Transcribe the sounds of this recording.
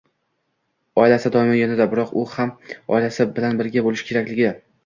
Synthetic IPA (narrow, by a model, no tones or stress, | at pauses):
ɒɪlasɪd̪ɒɪmɪjʲanad̪abɪɾɒqʊhamɒ̰ɪlasɪbɪlanbɪɾɡʲabolˠɪʃkʲʰe̞ɾakʲlɪɡʲɪ